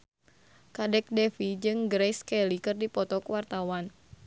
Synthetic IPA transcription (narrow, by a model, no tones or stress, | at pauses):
kadɛk̚dɛfid͡ʒɨŋɡɾɛjskɛlikɨrdipɔt̪ɔkwart̪awan